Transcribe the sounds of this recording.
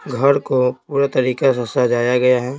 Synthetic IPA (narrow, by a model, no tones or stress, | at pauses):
ɡʱɐɾkopuːɾat̪ɐɾiːkasɐsad͡ʒaːjaɡɐjaɦɛː